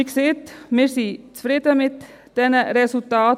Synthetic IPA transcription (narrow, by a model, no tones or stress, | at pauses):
ksɪt̪mɪɾsiːsfɾɪt̪əmɪt̪ | d̪̥ɛnəɾɛsʉlt̪ɑː